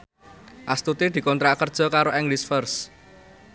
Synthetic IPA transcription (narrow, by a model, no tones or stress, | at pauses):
ʔast̪ut̪id̪̥i̤kɔnt̪ɾakərd̥ʒ̥ɔ̤kaɾoʔɛŋɡlisfərs